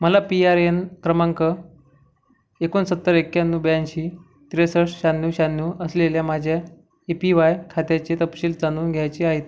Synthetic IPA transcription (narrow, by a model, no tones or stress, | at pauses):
məlapiaɾenkɾəmaŋkə | ekonsət̪ːəɾekjanːuːbjanɕiː | t̪ɾesəɽɕanːuːɕanːuːʔəsleljamad͡ʑʱja | epiʋajkʰat̪jat͡ɕet̪əpɕiːld͡zanuːnɡʱjajt͡ɕiaɦet̪